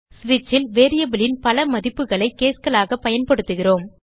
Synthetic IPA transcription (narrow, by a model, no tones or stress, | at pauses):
sʋɪt͡ʃːɪlʋeːɾɪjɐbɪlɪnpɐlɐmɐðɪpːɯɣɐɭɐɪkːeːskɐɭaːɣɐpɐjɐnpɐɽɯt̪ːɯɣɪroːm